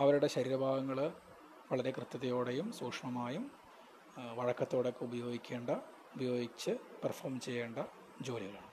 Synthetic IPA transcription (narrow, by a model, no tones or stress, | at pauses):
ɐʋɐɾuɽe̞ɕɐɾiːɾɐbʱaːɡɐŋːɐɭ | ʋɐɭɐɾe̞krɨt̪ːɐt̪ːɐjo̞ːɽe̞jumsuːkʂɐɳɐmaːjum | ʋɐɻɐkːɐt̪ːo̞ːɽokːeubɐjo̞ːɡikʲːe̞ːɳɖɐ | ubɐjo̞ːɡit͡ɕːɨpɐrfoːrmt͡ɕe̞jːeːɳɖɐ | d͡ʑo̞ːliɣɐɭaɳɨ